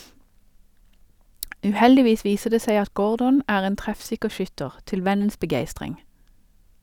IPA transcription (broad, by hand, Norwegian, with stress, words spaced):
ʉːˈhɛldɪˌʋiːs ˈʋiːsə ˈdeː ˈseɪ ˈɑt ˈɡoːɹdɔn ˈæːʁ ˈeːn ˈtʁɛfˌsɪkə ˈʃʏtəʁ ˈtɪl ˈʋɛnəns bəˈɡeɪstʁɪŋ